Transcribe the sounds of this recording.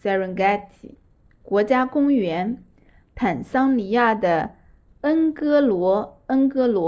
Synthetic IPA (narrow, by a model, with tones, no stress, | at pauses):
sa˥ɹə˧˥nka˥˩t̪ʰḭ˨˩˦ | kwɔ˧˥t͡ɕja˥kʊ˥ŋɥɛ˧˥n | t̪ʰa˨˩nsɑ˥ŋli˧˥ja˥˩d̪ə˩ | ə˥nkɤ˥lwɔ˧˥ə˥ŋkɤ˥lwɔ˧˥